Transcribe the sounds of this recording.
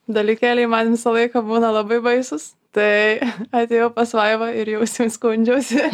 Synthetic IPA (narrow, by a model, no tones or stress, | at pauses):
d̪ɐlʲikʲæːlʲɛɪmɐnʋʲɪsɐlˠɐɪkɐbuːnɐlˠɐbɐɪbɐɪsʊs | t̪ɐɪɐt̪ʲeːjɛʊpɐsʋɐɪʋɐɪɾjɛʊsʲɛʊskunʲd͡ʒʲoʊsʲɪ